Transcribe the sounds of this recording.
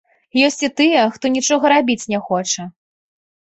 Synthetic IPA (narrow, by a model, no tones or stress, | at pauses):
jɔsʲt͡sʲit̪ɨjɛxt̪ɔnʲit͡ʂɔɣɐɾabʲit͡sʲnʲɛxɔt͡ʂɐ